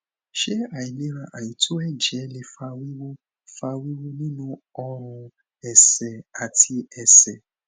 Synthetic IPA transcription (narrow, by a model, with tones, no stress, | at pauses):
ʃe˦a˨i˨le˦ɾã˨ʔa˨ji˨tʰo˦ɛ˦d͡ʒɛ˨˦le˨fa˧wi˦wo˦ | fa˧wi˦wo˦nĩ˦nũ˦ɔ˦ɾ̃ʊ̃˧ | ɛ˨sɛ˨a˨tʰi˧ɛ˨sɛ˨